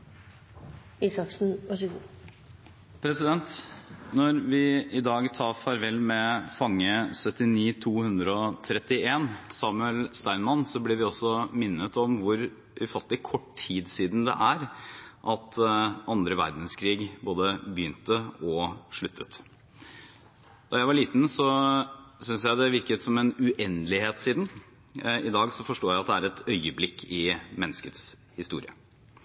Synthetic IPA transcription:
iːsɑksn̩ɑʃ | pʰɾɛsɪd̪ɛnt̪nɔɾʋɪɪd̪ɑːɡt̪ʰɑːfɑɾʋɛlmɛfɑŋːəsœt̪ɪniːt̪ʰuːhʉnd̪ɾəɔt̪ʰɾɛt̪ːɪeːnsɑːmʉɛlst̪æɪnmɑnsɔblɛʋɪɔsːɔmɪnːət̪ɔmʋʊɾ | ʔʉfɑt̪lɪkʰɔʈʰiːd̪siːd̪n̩d̪ɛ̰ʔæɾʔɑt̪ʔɑnd̪ɾəʋæ̰ɾd̪n̩skʰɾiːɡboːd̪əbəjʏnt̪əɔʂɭʉt̪ʰːət̪ | d̪̥ɑɾjæɪʋɑɾɭiːt̪n̩sɔ | sʏnsjæɪd̪ɛʋɪɾkət̪sɔmɛnʉʔɛnd̪lɪheːt̪siːd̪n | ɪd̪ɑːɡsɔfɔʂʈoːjæɪɑt̪̚d̪ɛæɾɛt̪ʰœʏəblɪkʰːɪmɛnːəskət̪s | hɪst̪ṵːɾɪ̰ə̰

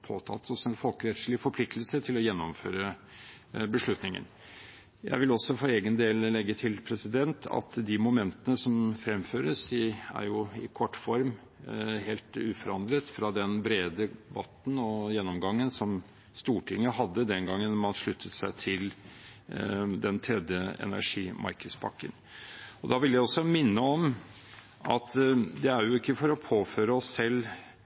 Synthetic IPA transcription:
pʰoːt̪ʰɑ̰t̪ʰːɔsɛnfɔlkɾɛt̪ʂɭɪfɔɾpʰlɪk̚t̪lsət̪ʰɪlɔjɛnːɔmfø̰ːɾə | bəʂɭʉt̪nɪŋə̰n | jæ̰ɪʋɪlɔsːɔfɔɾeːɡənd̪eːllɛɡːət̪ʰɪlpʰɾɛsɪd̪ɛnt̪ʰɑ̰t̪d̪ɪmʊmɛnt̪ənəsɔmfɾɛmføːɾəsɪæ̰ɾjʊɪkʰɔʈːfɔɾm | ɦeːlt̪ʉːfɔɾɑnd̪ɾət̪fɾɑd̪ɛnbɾeːd̪əbɑt̪ːn̩ɔjɛnːɔmɡɑŋːənsɔm | st̪uːʈʰɪŋːəɦɑd̪ːəd̪ɛnɡɑŋːənmɑnʂɭʉt̪ʰːət̪sæɪt̪ʰɪl | d̪ɛnt̪ʰɾɛd̪jəɛ̰næ̰ʂiːmʔɑ̰ɾkəspʰɑ̰kːənɔd̪ɑʋɪljæɪɔsːɔmɪnːəɔm | ɑ̰t̪d̪ɛæɾjʊɪkːəfɔɾɔpʰoːføːɾəɔsːɛlː

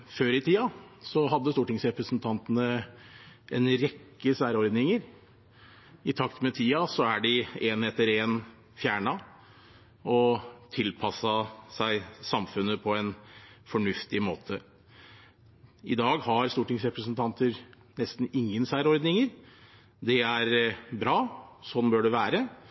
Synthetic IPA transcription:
føːɾɪt̪ʰiːɑsɔɦɑd̪ːəst̪uːʈɪŋsɾɛpɾəsnt̪ʰɑnt̪ənə | ɛnɾɛkːəsæːɾɔɾd̪nɪŋəɾ | ɪt̪ʰɑkt̪mɛt̪ʰiːɑsɔæɖɪeːnɛt̪əɾeːn | fjæːɳɑ | ɔt̪ʰɪlpʰɑsɑsæɪsɑmfʉnːəpʰɔɛnfɔɳʉft̪ɪmoːt̪ʰə | ɪd̪ɑːɡhɑɾst̪uːʈɪŋsɾɛpɾəs̬ənt̪ʰɑnt̪əɾ | nɛst̪n̩ɪŋːənsæːɾɔɾd̪nɪŋəɾ | d̪ɛæɾbɾɑːsɔnːbøːɖɛʋæːɾə

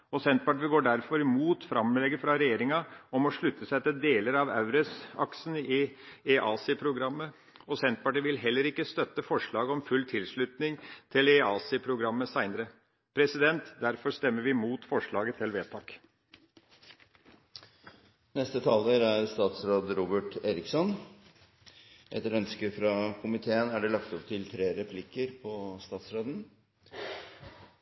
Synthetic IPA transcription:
ɔsɛnt̪̚pɑʈɪɡoːɖæɾfɔɾɪmuːt̪fɾɑmlɛɡəfɾɑɾɛjeːɾɪŋɑɔmɔʂɭʉt̪ːəsɛt̪ːəd̪eːləɾɑʋæ̰ʉɾɛsɑ̰ksnɪeʔɑːsɪpʰɾʊɡɾɑmːə | ɔsɛnt̪̚pɑʈəʋɪlɦɛlːəɾɪkːəst̪œt̪ːəfɔʂɭɑːɡɔmfʉlːt̪ʰɪlʂɭʉt̪nɪŋt̪ʰɪleɑːsɪpʰɾʊɡɾɑmːəsæɪnəɾə | pʰɾɛsɪd̪ɛnt̪d̪æɾfɔɾst̪ɛmːəɾʋɪmuːt̪fɔʂɭɑːɡət̪ʰɪlʋeːt̪ʰɑːk | nɛst̪ət̪ʰɑːləɾæɾst̪ɑːt̪sɾoːd̪ɾuːbəʈeːɾɪksɔn | ʔɛ̰t̪ɾœnskəfɾɑkʰʊmɪt̪ʰeːənæɖɛlɑkt̪ɔpt̪ʰɪlt̪ʰɾeːɾɛpʰlɪkːəɾpʰɔst̪ɑːt̪sɾoːd̪n̩

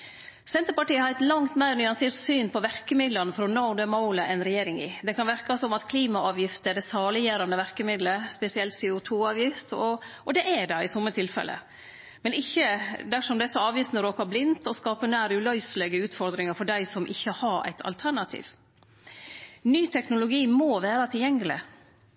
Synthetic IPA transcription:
sɛnt̪əɾpɑʈiːəhɑɾɛɪt̪lɑŋt̪mæɪɾnʏɑnseːɾt̪syːnpʰɔʋæɾkəmɪd̪lɑnəfɾɔnɑʊd̪ɛmɑʊləʔɛnɾɛjeːɾɪŋɪ̰d̪ɛkʰɑnʋɪɾkɑsɔmɑt̪kʰliːmɑʔɑːʋjɪft̪əɛɖɛsɑːlɪjæːɾɑnd̪əʋæɾkəmɪd̪ləspɛsɪɛlt̪sɛʊt̪ʰuːɑːʋjɪft̪ɔɔd̪ɛʔɛɖɛɪsɔmːət̪ʰɪlfɛ̰lʔə̰ | mɛnɪçːəd̪æʂɔmd̪ɛɛsɔɑːʋjɪft̪nəɾoːkɑblɪnt̪ɔskɑːpənæːɾʉlœʏslɛɡəʉːt̪fɔɾd̪ɾɪŋɑɾfɔɖæɪsɔmʔɪ̰çːəhɑɾæ̰ɪt̪ʰɑ̰lt̪ʰæɳɑt̪ʰḭːʋ | nyːt̪ʰɛknʊlʊɡiːmoːʋæːɾɑt̪ʰɪljɛŋːlɪ̰

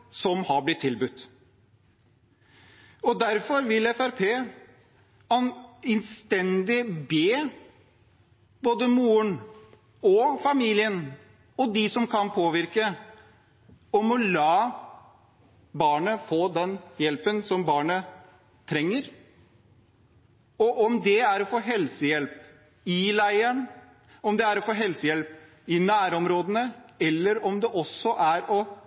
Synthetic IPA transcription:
sɔmhɑɾblɪt̪ʰːɪlbʉt̪ː | ɔd̪æɾfɔɾʋɪlɛfæɾpʰeː | ɑnɛnst̪ɛnd̪ɪbeː | boːd̪əmuːəɳ | ɔfɑmiːlɪən | ɔd̪ɪsɔmkʰɑnpʰoːʋɪɾkə | ɔmɔlɑː | bɑːɳəfoːd̪ɛnjɛlpənsɔmbɑːɳə | t̪ʰɾɛŋːəɾ | ɔʔɔmd̪ɛæɾɔfoːɦɛlsəjɛlp | ɪlæɪəɳ | ɔmd̪ɛæɾɔfoːɦɛlsəjɛlp | ɪnæːɾɔmɾoːd̪ənəɛlːəɾɔmd̪ɛʔɔsːɔʔæɾɔ

